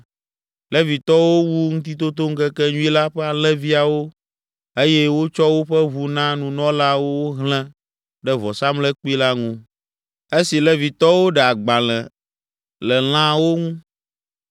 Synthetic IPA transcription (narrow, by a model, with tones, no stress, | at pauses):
lɛ˦vi˨t̪ɔ˦wo˦wu˦ŋũ˦t̪i˦t̪o˦t̪o˦ŋ̩˦kɛ˦kɛ˦ɲũ˦i˦la˦ɸɛ˦a˨lɛ̃˦vi˦a˨wo˦ | e˦jɛ˦wo˦t͡ʃɔ˦wo˦ɸɛ˦βu˨nã˦nũ˨nɔ̃˦la˦wo˦wo˦ɦlɛ̃˦ | ɖɛ˦vɔ˨sa˦mlɛ˦k͡pi˦la˦ŋũ˦ | e˦si˨lɛ˦vi˨t̪ɔ˦wo˦ɖɛ˨a˨ɡ͡ba˨lɛ̃˨ | lɛ˨l̃ã˦wo˦ŋũ˦